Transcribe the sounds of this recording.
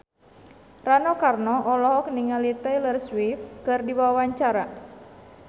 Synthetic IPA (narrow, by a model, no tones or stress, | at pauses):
ranɔkarnɔʔɔlɔɦɔk̚niŋalit̪ɛjlərswifkɨrdibawawaɲt͡ʃaɾa